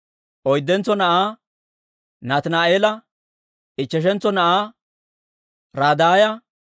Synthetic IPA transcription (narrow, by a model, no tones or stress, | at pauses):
ʔɔjd̪ːɛnt͡sːɔnɐʔaː | naːt̪ɐnaːʔeːlɐ | ʔɪt͡ʃːɛʃ̬ɛnt͡sːɔnɐʔaː | ɾaːd̪aːjɐ